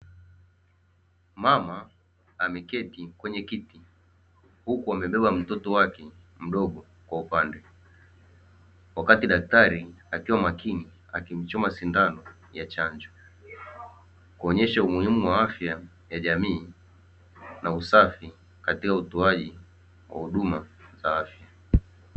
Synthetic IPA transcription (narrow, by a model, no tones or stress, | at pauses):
mamaː | mɛkɛtikwɛɲɛkiti | hukuamɛɓɛɓam̩tɔtɔwakɛ | m̩ɗɔɠɔ | kwaupandɛ | wakatiɗak̚taɾiakiwamakini | a̰kim̩t͡ʃɔmasindanɔ | jat͡ʃaɲd͡ʒɔ | kuɔɲɛʃaumuhimuwaafja | jaʄamiː | nausafi | katikautɔaʄi | wa̰huɗumazaafja